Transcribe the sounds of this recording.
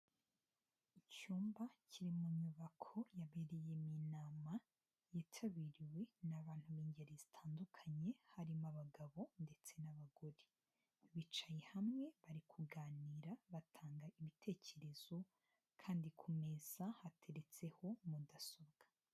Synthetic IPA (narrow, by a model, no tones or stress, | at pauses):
icuːmbaciɾimuɲuβakʰo̞jaβeɾejeminaːma | jitʰaβiɾiwe̞naβaːn̥huβiːɲɟeɾezitʰaːndukʰaɲe̞haɾimaβaɡaβo̞nde̞t͡se̞naβaɡoɾe | βit͡ʃajehamŋe̞βaɾikʰuɡaːniːɾaβatʰaːŋɡaiβitʰe̞ːce̞ɾe̞z̥o̞ | kʰaːndikʰume̞z̥ahatʰe̞ɾe̞t͡se̞ho̞mudaso̞bɡ̥ḁ